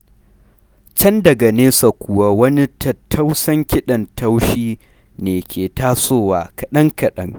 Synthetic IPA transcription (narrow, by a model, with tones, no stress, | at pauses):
t͡ʃɐ˦ndɐ˨ɡa˨neː˦sɐ˨kʷʊ˨wa˦wɐ˦ni˦tʰɐ˨tʰːɐ˦wsɐ˦ŋkʲɪ˦ɗɐ˨ntʰɐ˦wʃiː˦ | neː˨kʲʰeː˨taː˦soː˦˨waː˨kɐ˨ɗɐ˦ŋkɐ˨ɗɐ˦ŋ